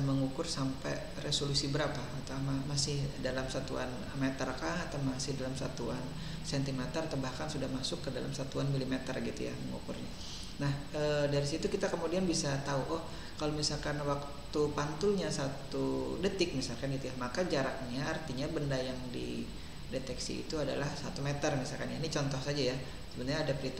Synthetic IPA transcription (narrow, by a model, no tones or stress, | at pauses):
məŋukʊrsampɛ | resolusibəɾapaut̪amamasɪhdalamsat̪ua̰n | met̪ərkat̪amasɪhdalamsa̰t̪uan | sɛnt̪iŋmɛt̪ərt̪əbahkansudahmasʊkːədala̰msat̪uanmilimet̪ərɡit̪ṵja̰məŋṵkʊ̰rɲa | nah | ədaɾisit̪ukit̪akəmudianbisat̪auʔɔh | kalomisalkanwak̚ | t̪upant̪ʊlɲasat̪udət̪ɪk̚misalkanɡit̪ujamakad͡ʒaɾak̚ɲaart̪iɲabəndajaŋdḭ | det̪ɛksḭːt̪uada̰lahsa̰t̪umet̪ərmisalkanjanit͡ʃɔnt̪ɔhsad͡ʒaja | səbənrɲaːdapɾit̪